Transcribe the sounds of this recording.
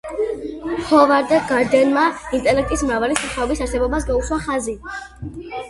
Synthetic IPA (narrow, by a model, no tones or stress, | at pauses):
hɔvaɾd̪ɛɡaɾd̪ɛnmaint̪ʼɛlɛk̚t̪ʼismɾavalisaχaɔbisaɾsɛbɔbas̬ɡauswaχazi